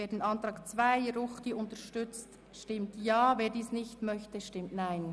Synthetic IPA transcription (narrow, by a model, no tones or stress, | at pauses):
veːdnɑntɾɑːkt͡svaɪɾʊχd̥iːʔʊntəʃtʏt͡st | ʃtɪmtjaːveːdiːsnɪçtmœçtəʃtɪmtnaɪn